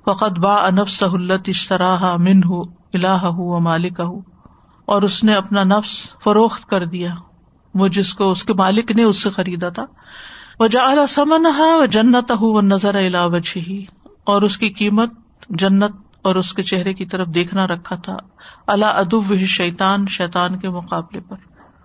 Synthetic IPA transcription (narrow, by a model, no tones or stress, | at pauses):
fɐqɐd̪baːʔɐnɐfsɐɦʊɐlːɐt̪iːʃt̪ɐɾaːɦamɪnɦʊ | ɪlaːɦɐɦʊʋɐmaːlɪkɐɦʊ | ɔːɾʊsneɐpnanɐfsfɐɾoːxt̪kɐɾd̪ijaː | mʊd͡ʒɪskoʊskemaːlɪkneʊsːexɐɾiːd̪at̪ʰaː | ʋɐd͡ʒaːɐlasɐmənɐɦɐʋɐd͡ʒɐnːət̪ɐɦuʋɐnɐzəɾaɪlaːʋɐd͡ʒiɦiɔːɾʊskiqiːmət̪̚ | d͡ʒɐnːət̪̚ | ɔːɾʊsket͡ʃɛɦɾekit̪ɐɾəfd̪eːkʰnaɾɐkʰːat̪ʰa̰ | ɐlaʔɐd̪ʊʋːɪɦiʃɐjt̪aːnʃɛːt̪aːnkemʊqaːblepɐɾ